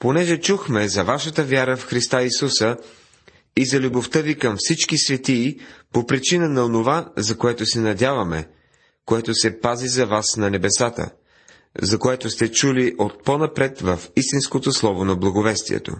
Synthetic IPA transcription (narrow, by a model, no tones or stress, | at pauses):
ponɛʒɛt͡ʃuxmɛzɐvaʃət̪əvʲjaɾəfxɾist̪aisusə | izɐlʲuboft̪əvikɐmfsit͡ʃkisvɛt̪iːpopɾit͡ʃinənɐonovazɐkoɛt̪osɛnɐd̪ʲjavɐmɛ | koɛt̪osɛpazizɐvasnɐnɛbɛsat̪ə̰ | zɐkoɛt̪ost̪ɛt͡ʃuliʔot̪̚ponɐpɾɛt̪vəfist̪inskot̪oslˠɔvonɐblˠɐɡovɛst̪ḭɛ̰t̪o̰